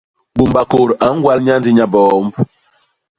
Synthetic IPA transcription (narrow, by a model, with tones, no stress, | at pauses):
bu˨mba˨ko˨ɾa˨˦ŋ̩˦ɡwa˦lɲa˦n˦di˦ɲa˨bɔː˦m˦b